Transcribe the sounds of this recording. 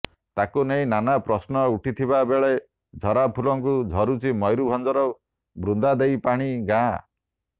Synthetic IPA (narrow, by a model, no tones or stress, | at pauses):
t̪akuneĩnanapɾɔsnɔuʈʰit̪ʰibabeɭe | d͡ʒʱɔɾapʰulɔŋkud͡ʒʱɔɾut͡ʃʰimɔjɾubʱɔnd͡ʒɔɾɔ | bɾund̪ad̪ejpaɽ̃iɡã